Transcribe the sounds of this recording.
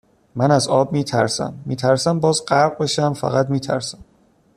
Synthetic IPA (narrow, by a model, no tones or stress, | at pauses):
mænæzɒːbmiːt̪ʰæ̰ɾsæ̰mːiːt̪ʰæɾsæmbɒːzɢæɾɢ̚be̞ʃæmfæ̰ɣæt̪miːt̪ʰæ̰ɾsæ̥m